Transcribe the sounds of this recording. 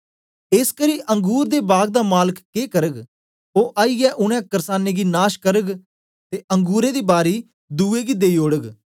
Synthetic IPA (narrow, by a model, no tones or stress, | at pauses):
ɪskəɾiːʔə̃ŋɡuːɾd̪eːbaːɡd̪aːmaːləkkeːkəɾəɡ | oːʔaːiːɡɛːʔʊɽ̃ɛ̃ːkəɾsaːneːɡiːnaːʃkəɾəɡ | t̪eːʔə̃ŋɡuːɾẽːd̪iːbaːɾiː | d̪uːeːɡiːd̪eːiːoːɽəɡ